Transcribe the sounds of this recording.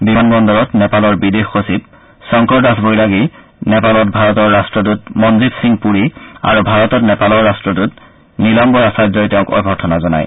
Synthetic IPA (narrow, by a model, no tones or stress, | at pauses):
bimʱanbɔndɔɹɔtnɛpalɔɹbidexːosip̚ | sɔŋkɔɹdasbojlaɡi | nɛpalɔt̚bʱaɹɔtɔɹːastɹɔt̬ut̚mɔnzitsiŋpuɹia̰ɹubʱaɹɔtɔtnɛpalɔɹːastɹɔt̬ut | nilɔŋbɔɹasajdɔjtɛʊ̃kɔ̰jɡʱɔɹtʰɔnazɔna̰j